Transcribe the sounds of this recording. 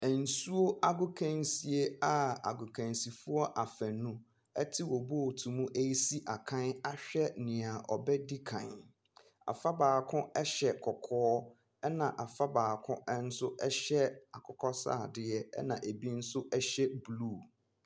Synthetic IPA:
æ˨n̩˨su˦o˦a˦ɡʊ˦kʰæ̃˦˨nsi˨e˦a˨a̰˨ɡʊ˨kʰæ̃˨nsi˨fʊ˦ɔ˦ʔa˨fæ̃˨nũ˦ | ɛ˦tʰɪ˦wo˨bo˦˨tʰũ˨mũ˦ʔe˦ji˦si˦ʔa˨kʰã˦na˦ɕᶣɛ˦nɪ̃˨a˨ʔɔ˨bɛ˦di˦kʰã˨n | a̰˨fa˦baː˨kʰʊ̃˦ɛ˦ɕɛ˨kʰɔ˨kʰɔː˦ | ɛ˦nã˨ʔa˨fa˦baː˨kʰʊ̃˦ɛ˦n̩˦sʊ˦ʔɛ˦ɕɛ˦a˨kʰɔ˨kʰɔ˦sa̰ː˦˨dɪ˨ɛ˦ɛ̰˦nã˨ʔe˨bi˦n̩˦sʊ˦ʔɛ˦ɕɛ˦bluː˦˨

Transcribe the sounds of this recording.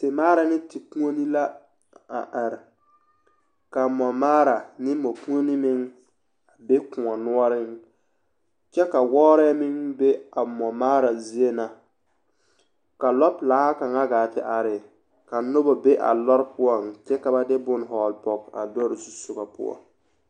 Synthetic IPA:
tɪ˨maː˦ɾa˨nɪ˦tɪ˨ku˦o˦ni˦la˦ | a̰˨ʔa˨ɾɪ˨ | ka˨mɔ˨maː˦ɾa˨nɪ˦mɔ˨kũ˦o˦nɪ˦mɪ˦ŋ | a˨be˦kʊ̃˨ɔ˨nʊ˦ɔ˦ɾɪ˦ŋ | t͡ʃɛ˦ka˨wɔː˦ɾɛ˦mɪ˦ŋbe˦a˨mɔ˨maː˦ɾa˨zi˦e˦na˨ | ka˨lɔ˦plaː˨˦ha˦ka˨ŋa˦ɡaː˨tɪ̰˦ʔa˨ɾɪ˨ | ka˨nʊ˦bɔ˨be˦ʔa̰˨lɔ˦ɾpʊ˦ɔ˨ŋt͡ʃɛ˦ka˨ba˦˨dɪ˦bʊ˦n˨ɦɔː˨lpɔ˨ka̰˨dɔ˦ɾzu˦sʊ˨ɡa˨pʊ̰˦ɔ̰˨ŋ

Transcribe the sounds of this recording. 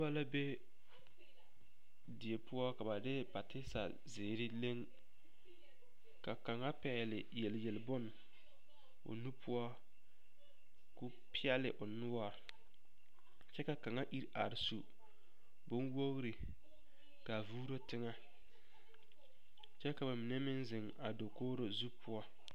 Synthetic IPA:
a˦la˦be˦ | dɪ˨e˨pʊ˦ɔ˦ka˨ba˨dɪ˦pa˨tɪ˦sa̰˨ | zɪː˨ɾɪ˦le˦ŋ | ka˨ka˨ŋa˦pɛ˨lɪ˨je˨lje˨lbʊ˦n | ʊ̰˨nu˦pʰʊ˦ɔ˦ | kʊ˦ | pɪ˦ɛ˦lɪ˨ʔʊ˨nʊ˦wɔ˦˨ɾ | t͡ʃɛ˦ka˨ka˨ŋa˦ʔi˦ɾa˨ɾsu˨ | bʊ˦nwo˦ɣɾɪ˨ | ka˨vuː˦ɾo˦tɪ˦ŋa˦ | t͡ʃɛ˦ka˨ba˨mɪ˨nɛ˦mɪ˦nzɪ˨ŋ | a˨do˨koː˦ɾo˨zu˦pʊ˦ɔ˦

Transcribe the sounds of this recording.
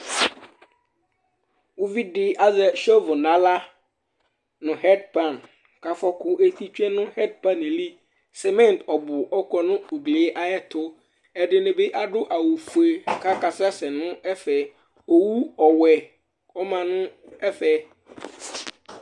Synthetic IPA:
wʊ˦vi˦ɖɪ˨a˦zɛ˦ʃɔ˦vʊ˨nã˦la˦ | nʊ̃˨ɦɛ˦dpã˨n | ka˨fɔ˦kʊ˦ʔe˦t̪i˦t͡ʃᶣɛ̃˦nʊ̃˦hɛ˦dpa˦n˨li˦ | sɛ˨mɛ̃˦n˨tɔ˨bʊ˨ʔɔ˦kɔ˦nʊ̃˦o˨ɡle˨˦ʔa˦ɛ˦t̪ʰʊ˦ | ɛ˨ɖɪ˨nẽ˨bɪ˦ʔa˨ɖʊ˦ʔa˨wu˨fu˨e˨ka˦ka˨sa˦sɛ˨nʊ̃˦ɛ˦fɛ˨ | o˨wu˦ɔ˨wɛ˨ | ɔ˦mã˨nʊ̃˦ | ɛ˦fɛ˦

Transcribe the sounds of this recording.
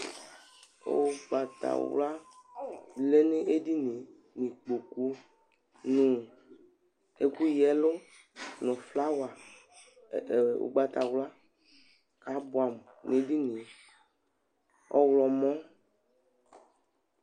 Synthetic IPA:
o̰˨ɡ͡ba˨t̪a̰˨wla˦ | le˦ne˦e˦di˦nĩ˨ | nĩ˨k͡po˨ku˦ | nũ˨ | e˨ku˦jɛ˨˦lʊ˦ | nʊ̃˨fla˦wa˨ | o̰˨ɡ͡ba˨t̪a˨wla˦ | ka˨˦bʊ˦a˨m˨ne˨˦di˦nĩ˨ | ɔ̰˨wlɔ˨mɔ̃˦

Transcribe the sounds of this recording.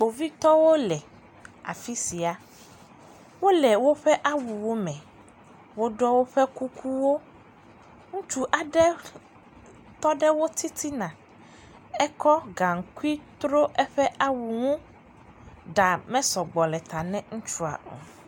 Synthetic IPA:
k͡po˨vi˦t̪ɔ˦wo˦lɛ˨ | a̰˨fi˦si˨a˦ | wo˦lɛ˨wo˦ɸɛ˦ʔa˦wu˨wo˦mɛ̃˨ | wo˦ɖɔ˦wo˦ɸɛ˦ku˦kʰu˦wo˦ | ŋũ˦t͡ʃu˦ʔa˨ɖɛ˦ | t̪ɔ˦ɖɛ˦wo˦t̪i˦t̪ʰi˦nã˨ | ɛ˦kɔ˦ɡa˨ŋ˨ku˦i˦t̪ɾo˦ʔɛ˦ɸɛ˦ʔa˦wu˨ŋũ˦ | ɖa˨mɛ̃˦sɔ˨ɡ͡bɔ˨lɛ˨t̪a˨nɛ̃˦ŋũ˦t͡ʃu˦a̰˨ʔo̰˨

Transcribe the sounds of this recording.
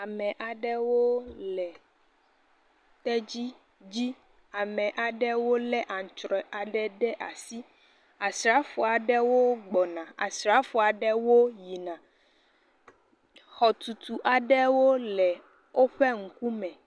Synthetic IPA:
a˨mɛ̃˨ʔa˨ɖɛ˦wo˦lɛ˨ | t̪ɛ˦d͡ʑi˦ | d͡ʑi˦ | a˨mɛ̃˨ʔa˨ɖɛ˦wo˦lɛ˦ʔa˨ŋ̩˨t͡ʃɾɔ˨a˨ɖɛ˦ɖɛ˦ʔa˨si˦ | a˨sɾa˦fɔ˨a˨ɖɛ˦wo˦ɡ͡bɔ˨nã˨a̰˨sɾa˦fu˨a˨ɖɛ˦wo˦ji˨nã˨ | xɔ˨t̪u˨t̪u˨ʔa˨ɖɛ˦wo˦lɛ˨ | wʔo˦ɸɛ˦ŋ̩˨ku˦mɛ̃˨

